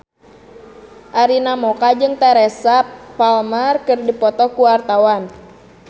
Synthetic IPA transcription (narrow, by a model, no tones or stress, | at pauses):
ʔaɾinamɔkad͡ʒɨŋt̪ɛɾɛsapalmarkɨrdipɔt̪ɔkuwart̪awan